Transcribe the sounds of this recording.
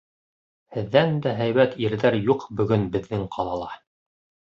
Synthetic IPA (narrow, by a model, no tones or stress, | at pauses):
hɘ̆ðːænd̪æɦæjβæt̪iɾðæɾjuqbɵ̆ɡɵnbɘ̆ðːɘŋqʰɑlˠɑlˠɑ